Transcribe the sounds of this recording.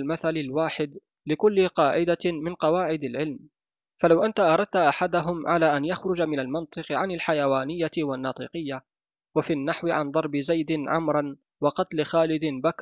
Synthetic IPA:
lmaθalɪlwaːħɪd̪ | lɪkʊlːɪqɑːʕɪd̪amɪnqɑwaːʕɪd̪alʕɪlm | falawʔant̪aʔɑɾˤɑd̪̚t̪aʔaħad̪aɦʊmʕalaːʔanjaxɾʊd͡ʒamɪnalmɪnt̪ˤɨqʕanalħajawaːnɪjːawanːɑːt̪ˤɨ̰qɨjːa | wafinːaħwɪʕa̰nd̪ˤɑɾˤbɪzajd̪ɪnʕʊ̰mɾˤɑn | wɑqɑt̪lɪxaːlɪd̪ɪnbak

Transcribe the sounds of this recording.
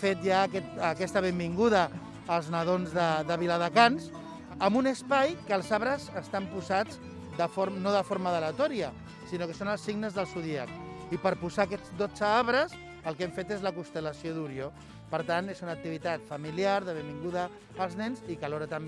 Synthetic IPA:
fet̪̚jakɛt̪əkɛst̪əβ̞embiŋɡuðəː | lˠznəðonzðəðəβiləðəkans | əmbunəspajkəlˠzaβɾəzəst̪ampuzad͡z | d̪əfoɾnoðəfoɾməðələt̪ɔɾiə | sinokəsonəlˠsiɡnəzðəlˠsuðiəkipəɾpuzaːkɛd͡zd̪od͡zəaβɾəs | əlˠkɛmfet̪ezləkust̪ələsioðuɾjo | pəɾt̪anezunək̚t̪iβit̪at̪fəmiliaɾðəβembiŋɡuðəː | lˠznɛnzikəlɔɾət̪əm

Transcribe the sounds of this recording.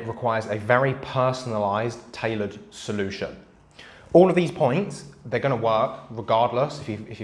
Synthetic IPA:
ʔɹɪkʰw̥aɪəzəvɛɹipʰɜˑsənəlaɪztʰeɪləd̥səlʉˑʃə̰̃n | ɔːləvðiːz̥pʰɔ̃ɪ̃ntsðəɡʌñəwɜˑkɹɪɡɑːdˡləsɪfjəɪfjə

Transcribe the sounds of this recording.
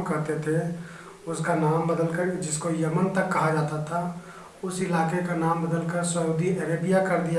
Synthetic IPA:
kɐɾt̪et̪ʰe | ʊskanaːmbəd̪əlkəɾd͡ʒɪskojəmənt̪ɐkːɐɦad͡ʒaːt̪at̪ʰa | ʊsɪlaːkekanaːmbɐd̪əlkəɾsəuːd̪iʔəɾeːbɪjakɐɾd̪ija

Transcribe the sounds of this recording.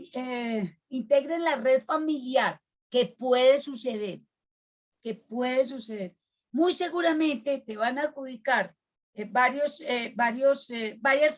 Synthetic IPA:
e | int̪e̞ɣɾenlare̞ðfamiljaɾ | ke̞pwe̞ðe̞suse̞ð̞e̞ɾ | ke̞pwe̞ðe̞s̬useðe̞ɾ | mujse̞ɣuɾamẽ̞nt̪e̞t̪e̞β̞anaxuðikaɾ | baɾjo̞sebaɾjo̞sebaɾjeɾf

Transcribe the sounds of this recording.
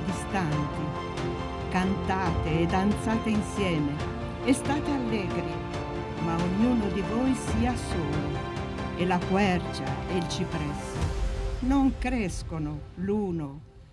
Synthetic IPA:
d̪ist̪ant̪i | kant̪aːt̪eɛd̪ant̪saːt̪einsjɛːme | ɛst̪aːt̪ealːɛːɡɾi | mauɲunʊd̪ivɔjsiːasoːlʊ | elakwɛrd͡ʒa̰ɛlt͡ʃipɾɛs | noŋkɾɛskonʊluːno

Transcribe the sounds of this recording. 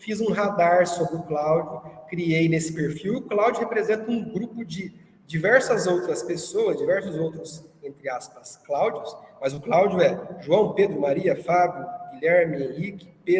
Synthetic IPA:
fizũɦad̪aɾsobɾɪʊklawd͡ʒʊkɾiejnesɪ̥peɾfiwiʊklawd͡ʒʊhepɾezẽnt̪ɐũɡɾupʊd͡ʒɪ | d͡ʒivɛɾsɐzowt̪ɾɐspesowɐzd͡ʒivɛɾsʊzowt̪ɾʊsẽnt̪ɾɪaspɐsklawd͡ʒʊsmɐzʊklawd͡ʒʊɛʒuɐ̃w̃ped̪ɾʊmaɾiɐfabjʊɡiʎɛɾmɪẽhikɪ̥pe

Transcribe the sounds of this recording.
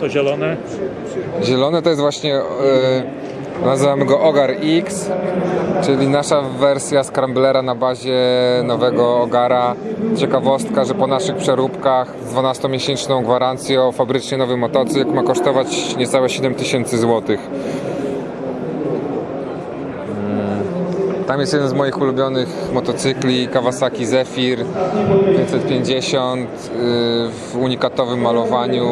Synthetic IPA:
t̪ɔʑɛlɔnɛ | ʑɛlɔnɛt̪ɔjɛst̪vwaɕɲɛ | nazɘvamɘɡɔʔɔɡaɾiks | t͡ʂɘlʲinaʂavɛɾsʲjaskɾamblɛɾanabaʑɛnɔvɛɡɔːɡaɾat͡ɕɛkavɔst̪kaʐɛpɔnaʂɘxpʂɛɾupkax | d̪vunast̪ɔmʲjɛɕɛnt͡ʂnɔ̃w̃ɡvaɾant̪sʲjɛɔfabɾɘt͡ʂɲɛnɔvɛmɔt̪ɔt̪sɘjkmakɔʂt̪ɔvat͡ɕɲɛt̪sawɛɕɛd̪ɛmt̪ɘɕɛnt̪sɘzwɔt̪ɘx | t̪amjɛst̪jɛd̪ɛnzmɔjixulubʲjɔnɘxmɔt̪ɔt̪sɘklʲikavasakʲizɛfʲiɾpʲjɛɲsɛt̪̚pʲjeɲd͡ʑɛɕɔnt̪ | vuɲikat̪ɔvɘmːalɔvaɲu

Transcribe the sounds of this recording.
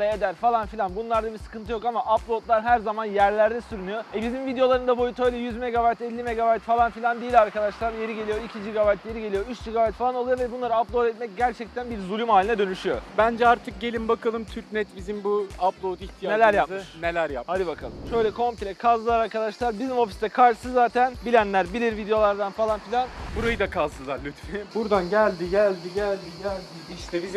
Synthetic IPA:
eed̪æɾfalˠanfilʲˠanbunlˠaɾd̪abisɯ̥kɯnt̪ɯjo̞kamaʔaplˠo̞t̪lˠaɾɦæɾzamanjæɾlʲæɾd̪ɛsyɾunyjo̞ɛbizimvid̪ejo̞lˠaɾɯnd̪abo̞jut̪ʰø̞jlʲɛjyzme̞ɡabajt̪ɛlʲːime̞ɡabajt̪falˠanfilʲand̪eijilʲaɾkad̪aʃlˠaɾje̞ɾiɟe̞lʲijo̞icʰid͡ʒiɡabajt̪ʰje̞ɾiɟelʲijo̞yt͡ʃd͡ʒiɡabajt̪falˠano̞lˠujovɛbunlˠaɾɯaaplˠo̞d̪ɛt̪mɛc̚ɟæɾt͡ʃʰɛc̚t̪ʰænbiɾzulʲymhaːlʲinɛd̪ø̞nyʃyjo̞̰bænd͡ʒɛaɾt̪ʰɯk̚ɟe̞lʲimbakalˠɯmt̪ʰyɾcnɛt̪bizimbuaplˠot̪içt̪ʰijanelʲæɾjapɯɯʃnelʲæɾjap̚had̪ibakʰalˠɯmʃø̞jlʲɛkʰo̞mpilʲɛkʰazɯlˠaɾaɾkad̪aʃlˠaɾbizimo̞fisd̪ɛkʰaɾʃɯsɯzzːaːt̪ʰænbilʲænlʲæɾbilʲiɾvid̪ejo̞lˠaɾd̪anfalˠanfilʲanbuɾajɯd̪akʰazɯlˠaɾlʲyt̪febuɾd̪anɟælʲd̪iɟælʲd̪iɟælʲd̪iɟælʲd̪iiʃt̪ʰɛbiz

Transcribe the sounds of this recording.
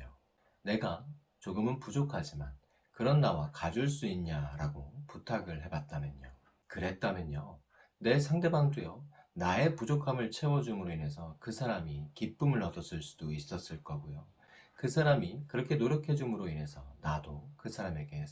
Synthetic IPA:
o | ne̞ɡa | t͡ɕoɡɯmɯnpud͡ʑokʰad͡ʑiman | kɯɾʌnːawakad͡ʑuɭs̬͈uiɲɲaɾaɡoputʰaɡɯɭɦe̞bat̚t͈amjʌɲo | kɯɾe̞t̚t͈amjʌɲo | ne̞sʰaŋde̞baŋdujonae̞pud͡ʑokʰamɯɭt͡ɕʰe̞wʌd͡ʑumɯɾoine̞sʰʌkɯsʰaɾamikip͈ɯmɯɭːʌdʌs͈ɯɭs͈ud̥ois͈ʌs͈ɯɭk͈ʌɡojo | kɯsʰaɾamikɯɾʌkʰe̞noɾjʌkʰe̞d͡ʑumɯɾoine̞sʰʌnadokɯsʰaɾame̞ɡe̞

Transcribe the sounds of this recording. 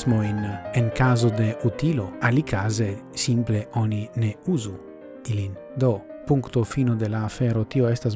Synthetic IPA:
zmojneŋkazod̪eʔut̪iloalikʰazesimpleʔɔnineuzu | ilin | d̪opuŋkt̪ofinod̪elaːfɛɾot̪ioest̪az

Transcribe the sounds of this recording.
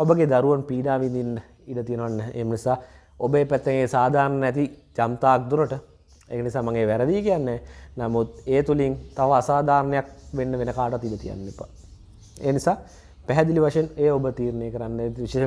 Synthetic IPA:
obəɡed̪aɾuʋanpiːɖaːʋind̪inːə | iɖət̪ijənəʋanːɛːʔḛːmənisaː | obəepæt̪ːeŋeːsaːd̪ʱaːɾnənɛt̪̬id͡ʒamt̪aːk̚d̪uɾəʈə | ḛːkənisaːmaŋeːʋæɾəd̪iːkijanːɛːnamut̪̚eːt̪uliŋt̪aʋəasaːd̪ʱaːɾnəjak̚ʋenːəʋenəkaːʈəʋat̪ːiɖət̪ija̰nːepa | ḛːnisaː | pɛɦɛd̪iliʋaʂəjeneːobət̪iːɾəneːkəɾanːʋiʃeːʃ

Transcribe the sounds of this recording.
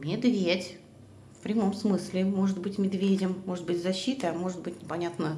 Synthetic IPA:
mʲɪd̪vʲetʲ | fpɾʲɪmo̞msmɨslʲɪmo̞ʐɨd̪bɨtʲmʲɪd̪vʲedʲɪmːo̞ʐɨt̪̚bɨtʲzɐɕːit̪əɐmo̞ʐɨt̪̚bɨtʲnʲɪpɐnʲat̪nə

